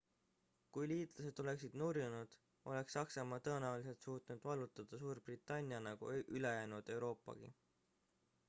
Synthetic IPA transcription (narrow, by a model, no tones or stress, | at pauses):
kujliːt̪ˑlɑse̞d̪̥o̞le̞ksid̪̥nurjunud̪̥ | ʔo̞̰le̞ksːɑksɑmɑːt̪ɤenæulis̬e̞lt̪suːt̪ˑnud̪̥vɑlut̪ːˑɑd̪̥ɑsuːrb̥rit̪ːˑɑnʲiɑnɑɡ̥ṵʔyle̞jæːnud̪̥e̞wɾo̞ːpːˑɑ̰ɡ̥ḭ